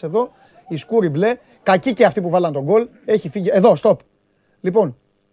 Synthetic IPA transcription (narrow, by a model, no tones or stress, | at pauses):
e̞ðo̞ | iskuɾible̞ | kɐciceɐft̪ipuvɐlɐnt̪o̞ɡo̞l | e̞çifiʝie̞ðo̞st̪o̞p | lipo̞n